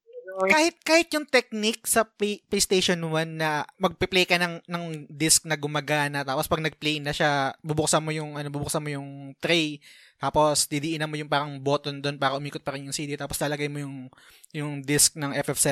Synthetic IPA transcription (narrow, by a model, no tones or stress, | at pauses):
aːhɪt̪̚kaːhɪt̪̚jʊŋt̪ɛk̚nɪk̚sɐpplejst̪ejʃonwanːɐmɐɡ̚pɪplɛjkɐnɐŋnɐŋd̪ɪsk̚nɐɡʊmɐɡaːnɐt̪aːpospɐɡ̚nɐɡ̚plɛjnɐʃabʊbʊk̚sɐmo̞jʊŋʔɐno̞bʊbʊk̚sɐmojʊŋt̪ɾɛj | t̪aːpo̞sd̪ɪd̪iːʔɪnɐmːojʊŋpaːɾɐŋbo̞ːt̪ond̪onpaːɾɐʔʊmiːkot̪̚pɐɾɪnjʊŋsiːd̪it̪aːposlɐlɐɡajmojʊŋ | jʊŋd̪ɪsk̚nɐŋʔɛfɛfsɛ